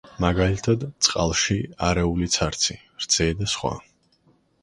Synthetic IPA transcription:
maɡalit̪ʰad̪t̪sʼqʼa̰lˠʃiaɾɛulit̪sʰaɾt̪sʰi | ɾd̪z̥ʰɛd̪asχwa̰

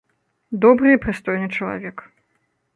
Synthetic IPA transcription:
d̪ɔbɾɨpɾɨst̪ɔjnɨt͡ʂɐlˠa̰vʲɛk

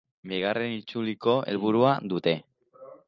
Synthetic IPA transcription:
biɣ̞are̞nit͡suliko̞e̞̰lβuɾuad̪ut̪e̞

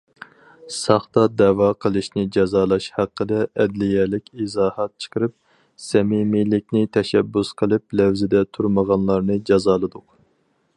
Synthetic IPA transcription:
sɑχt̪ɑd̪ɛwɑqʰəlˠɨʃnɪd͡ʒɑzɑːlˠɑʃhæqʰːəd̪ɛʔɛd̪lɪjɛlɪkʲizɑːhɑt̪̚t͡ʃʰə̥qʰəɾɨp̚ | sɛmimilɪkʲnɪt̪ʰɛʃɛbːusqʰəlˠɨplɛwzɪd̪ɛt̪ʰuɾməʁɑnlˠɑɾnɨd͡ʒɑzɑːlˠɨd̪ʊq

